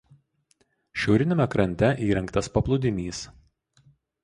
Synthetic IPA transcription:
ʃʲɛʊɾʲɪnʲɪmʲɛkɾɐnʲt̪ʲɛʔiːɾʲɛŋkt̪ɐspɐplˠʊd̪ʲɪmʲiːs

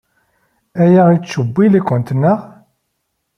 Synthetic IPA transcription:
æjæit͡sːəbːilækʷːənt̪nːəʁ

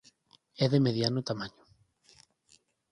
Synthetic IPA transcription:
ɛðemeðjanʊt̪amaɲʊ

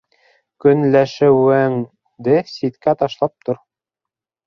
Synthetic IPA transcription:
kɵ̆nlæʃɘwæŋ | d̪ɘsit̪kæt̪ɑʃlˠɑp̚t̪oɾ

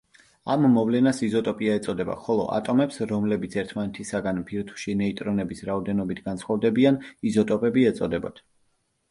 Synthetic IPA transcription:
amːɔvlɛnasizɔt̪ʼɔpʼiaɛt̪sʼɔd̪ɛba̰χɔlˠɔ̰ʔa̰t̪ʼɔmɛpsɾɔmlɛbit̪sʰɛɾt̪ʰmanɛt̪ʰisaɡanpʰiɾt̪ʰu̥ʃinɛit̪ʼɾɔnɛbisɾaɔd̪ɛnɔbit̪ʰɡ̥ansʰχɔvd̪ɛbianizɔt̪ʼɔpʼɛbiɛt̪sʼɔd̪ɛbɔ̰t̪ʰ

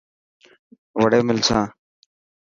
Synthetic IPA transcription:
ʋəɽeːmɪlsãː

